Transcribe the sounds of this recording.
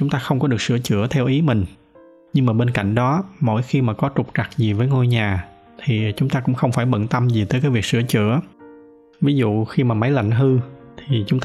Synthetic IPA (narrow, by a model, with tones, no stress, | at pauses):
t͡ɕʊ˨˦ŋ͡mt̪aː˧xə˧wŋ͡mkɔ˨˦ɗɨ˨˩ək̚sɨ̰˧˩ət͡ɕɨ̰˧˩ət̪ʰɛ˧wʔi˨˦mï˨˩ŋ̟ | ɲɨ˧ŋmaː˨˩ɓe˧nka̰˧˨jŋ̟ɗɔ˨˦mo̰˧˥˩jxi˧maː˨˩kɔ˨˦t͡ɕʊ˨˩k͡p̚t͡ɕa˨˩k̚zi˨˩vəː˨˦jŋo˧jɲaː˨˩ | t̪ʰi˨˩t͡ɕʊ˨˦ŋ͡mt̪aː˧kʊ̰˧˥ŋ͡mxə˧wŋ͡mfaː˧˩jɓə̰˧˨nt̪ə˧mzi˨˩t̪əː˨˦jkaː˨˦jvi˨˩k̚sɨ̰˧˩ət͡ɕɨ̰˧˩˨ə | vi˨˦zṵ˧˨xi˧maː˨˩ma˨˦jla̰˧˨jŋ̟ɦɨ˧t̪ʰi˨˩t͡ɕʊ˨˦ŋ͡mt̪